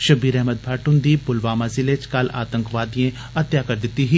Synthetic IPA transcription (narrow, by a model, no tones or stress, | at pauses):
ʃɐbiːɾɛɦməd̪̚bʰʱaːʈʊnd̪iːbʊlʋaːmazɪlet͡ʃkɐla̰ːt̪ə̃ŋkʋaːd̪ijẽ | ɐt̪jaːkɐɾd̪ɪt̪ːiɦiː